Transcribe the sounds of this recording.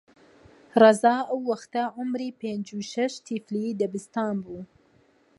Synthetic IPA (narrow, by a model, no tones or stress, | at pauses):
rɐzɑːəwːɐxt̪ɐʕʊmɾiːpʰeːnd͡ʒuːʃɛʃt̪ʰiːflid̪ɐbɨst̪ɑːnbuː